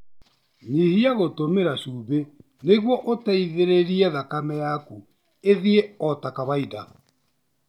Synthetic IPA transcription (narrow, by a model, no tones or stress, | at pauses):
nihiaɣotomeɾaʃuːβe | neɣwɔʔotɛiðeɾeɾiɛðakamɛjaku | eðieɔtakaβaida